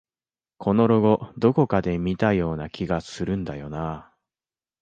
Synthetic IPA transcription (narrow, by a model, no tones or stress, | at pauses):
kʰo̞no̞ɾo̞ɡo̞d̪o̞ko̞kad̪e̞mʲit̪ajo̞ːnakʲiɡasɨɾɯ̟̃nd̪ajo̞na